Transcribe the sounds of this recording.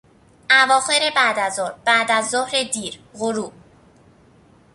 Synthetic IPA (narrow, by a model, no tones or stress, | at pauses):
ʔævɒːxe̞ɾe̞bæd̪æzɔɾb̥æʔd̪æzːohɾe̞d̪iːɾɣoɾuː